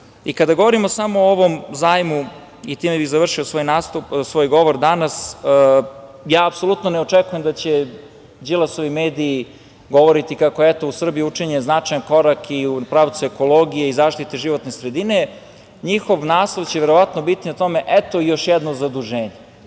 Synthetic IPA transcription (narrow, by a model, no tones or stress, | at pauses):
ikad̪aɡo̞ʋoɾimo̞samoːoʋomzaːjmu | it̪imebiɣzaʋr̩ʃiosojnaːst̪upsʋoːjɡo̞ʋoɾd̪anas | jaːpso̞lˠut̪noneot͡ʂekujemd̪at͡ɕe | d͡ʑilˠasoʋimeːd̪iː | ɡo̞ʋo̞ɾit̪ikakoɛt̪o̞usr̩bijuut͡ʂeɲeznat͡ʃajanko̞ɾakipɾaːʋt̪suekolˠo̞ɡijeizaːʃt̪it̪eʒiʋo̞t̪nesɾed̪ine̞ | ɲixo̞ʋnaːslˠoʋt͡ɕeʋeɾo̞ʋat̪nobit̪iat̪o̞me̞ʔɛt̪o̞ijo̞ʃjɛd̪nozad̪uʒeːɲe